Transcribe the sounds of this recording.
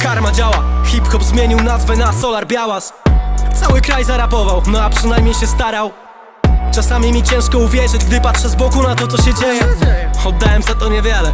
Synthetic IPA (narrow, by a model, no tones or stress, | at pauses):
kaɾmad͡ʑawaxʲipxɔbzmʲjeɲiwnazvɛnasɔlaɾbʲjawast̪sawɘkɾajzaɾapɔvawnɔapʂɘnajmɲejɕɛst̪aɾaw | t͡ʂasamʲimʲit͡ɕɛ̃w̃ʂkɔuvʲjɛʐɘd͡ʑɡd̪ɘpatʂɛzbɔɡunat̪ɔt̪ɔɕɛd͡ʑejɛɛɔd̪ːawɛmzat̪ɔɲɛvʲjɛlɛ